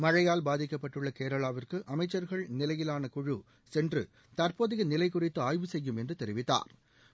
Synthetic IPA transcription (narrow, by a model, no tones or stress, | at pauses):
mɐɻɐjaːlbaːðɪkːɐpːɐʈːɯɭːɐkeːɾɐɭaːʋɪrkɯʔɐmɐɪt͡ʃːɐɾɣɐɭnɪlɐjɪlaːnɐkʊɻu | sɛndrɯ̰ | t̪ɐɾpoːðɪɣɐnɪlɐɪkːʊrɪt̪ːɯaːjʋɯsɛjːɯmɛndrɯt̪ɛɾɪʋɪt̪ːa̰ːɾ